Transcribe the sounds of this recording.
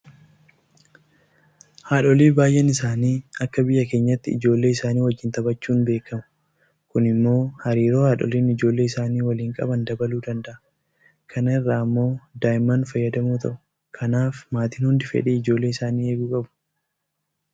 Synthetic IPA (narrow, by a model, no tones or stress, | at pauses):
haːᶑɔliːbaːjʔɛnɪsaːniːɐkːɐbɪjːɐkeːɲːɐt̪ːɪɪ̰d͡ʒo̞ːlːe̞ːɪsaːniːwɐd͡ʒːɪnt̪ɐbɐt͡ʃːuːnbe̞ːkːɐmʊ̥ | kʊnɪmːo̞ːhɐɾiːɾo̞ːhaːᶑɔ̰liːnɪd͡ʒo̞ːlːe̞ːɪsaːniːwɐliːŋkʼɐ̰bɐnd̪ɐbɐluːd̪ɐnd̪ɐʔɐ | kʰɐnɐɪrːaːɐmːo̞ːd̪aːjɪmanfɐjːɐd̪ɐmuːt̪ʰɐʔʊ | kʰɐnaːfmaːt̪ɪnhʊnd̪ɪfɛ̰ᶑeːɪd͡ʒo̞ːlːe̞ːɪsaːniːeːbuːkʼɐbʊ̥